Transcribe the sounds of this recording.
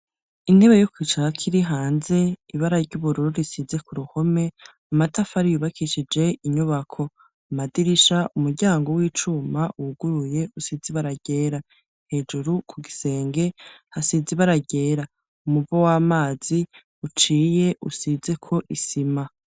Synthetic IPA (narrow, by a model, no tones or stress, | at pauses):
in̥he̞βe̞jokwiːt͡ʃaɾakʰiɾiɦaːnze̞iβaɾaɾɟuβuɾuɾuɾisize̞kuɾuho̞me̞ | amatafaɾijuβakʰiʃid͡ʒe̞iɲuβakʰo̞ | amadiɾiʃaʔumuɾɟaːŋɡo̞wiːt͡ʃumaʔuɡuɾuje̞ʔusiziβaɾaɟ̥e̞ːɾa | he̞ːd͡ʒuɾukʰuɡise̞ːŋɡe̞hasiziβaɾaɟe̞ːɾa | umubowaːmaːz̥i | ut͡ʃiːje̞ʔusize̞kʰo̞ʔisima